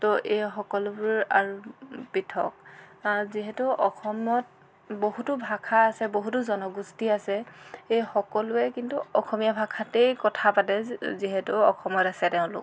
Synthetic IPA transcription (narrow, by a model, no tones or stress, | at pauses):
tɔʔejxɔkɔlʊbʊɹaɹupitʰɔ̰k̚aziɦɛtʊʔɔxɔmɔt̚ | boɦutʊbʱakʰaːsɛboɦutʊzɔnɔɡustiasɛejxɔkɔlʊɛkintuɔxʰɔmijabʱakʰatejkɔtʰapatɛziɦɛtʊɔxʰɔmɔtasɛtɛʊ̃lʊ̰k